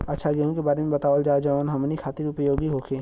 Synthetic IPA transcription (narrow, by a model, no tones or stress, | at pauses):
ɐtːʃʰaɡeɦũkebaːɾemẽbɐt̪aːʋəld͡ʒaːd͡ʒɐʋaːnɦɐmnikʰaːt̪ɪɾʊpəjoːɡiɦoːkʰeː